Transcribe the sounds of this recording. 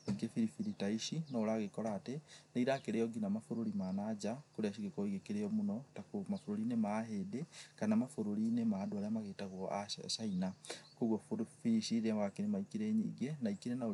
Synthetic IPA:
oiɡefiɾifiɾitaiʃinɔːɾaɣekɔɾaːtenaiɾakeɾejɔɡinamafoɾoɾimanad͡ʒakoɾeaʃiɣekɔiɣekeɾejɔmonɔtakomafoɾoɾinemaɦedekanamafoɾoɾinemaːdoaɾeamaɣetaɣwɔa̰ʃainakoɣwɔffiiʃiɾewakenemaikiɾeːɲiɡenaikiɾena

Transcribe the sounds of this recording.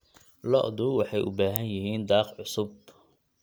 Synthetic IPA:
lɔ̰ʔd̪ʊwɑħɑjʔʊbaːɦɐnjɪɦiːnd̪ɑːqʕʊsʊb̚

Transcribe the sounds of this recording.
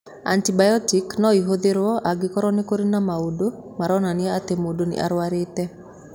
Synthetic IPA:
a̰ntibajɔtiknɔiɦod̪eɾwɔʔaɡɪkɔɾɔnikoɾinamaudo | maɾɔnanɪaat̪emodonɪ̰ʔa̰ɾwaɾet̪ɛ

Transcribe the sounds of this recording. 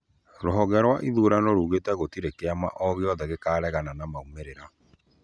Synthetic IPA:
ɾoɦɔɣɛɾwaʔiðuɾanoɾuːɣetɛɣotiɾekeama̰ʔɔɣeɔðɛɣekaːɾɛɣananamaumeɾeɾa

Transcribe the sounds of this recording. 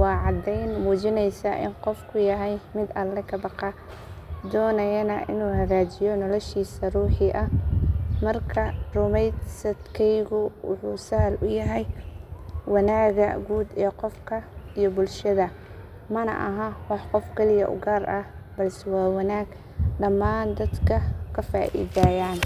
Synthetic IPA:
wɑːʕɑd̪ɛjnmuːt͡ʃɪnɛjsɐʔɪ̰nqɔfkʰʊjɐɦɛjmɪd̪ɐlːɛkʰɐbɑqɑ | d̪ɔːnɐjɐnɐʔɪ̰nuːhɐɣaːt͡ʃɪjɔnɔlɔʃiːsɐruːħɪʔɐ | mɐrkʰɐrʊmɛjsɐd̪kʰɛjɣʊwʊ̰ħuːsɐhɐlʔʊjɐɦɛj | wɑnaːɣɐɡuːd̪ɛːqɔfkʰɐijɔbʊlʃɐðɐ | mɐnɐ̰ʔɐɦawɑħqɔfkʰɛlɪjɐʔʊ̰ɡaːrɐbɐlsɛwɑːwɑnaːɡ | ɖɐmːaːnd̪ɐd̪kʰɐkʰɐfa̰ːʔḭːðaːjaːn

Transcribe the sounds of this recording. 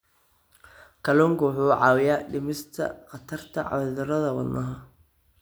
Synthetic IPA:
kʰɐlɔːŋkʰʊwħuːʕɑːwɪjaːɖɪmɪst̪ʰɐ̰qɑt̪ʰɐrt̪ʰɐʕɑ̰wðɐɾɐðɐwɐ̰d̪nʔɐɦɐ

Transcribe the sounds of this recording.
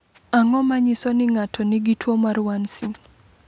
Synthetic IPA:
aŋɔmaɲɪsɔnɪŋatʰɔnɪɡitʰwomaɾwansɪ

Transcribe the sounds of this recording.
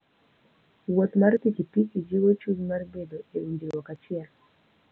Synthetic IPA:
wot̪martikipikid͡ʒiwot͡ʃuzmarbedoeundiwɔkat͡ʃɪɛl

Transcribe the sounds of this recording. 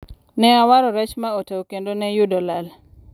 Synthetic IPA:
nɛawaɾɔɾɛt͡ʃmaotewokendonɛjudɔlal

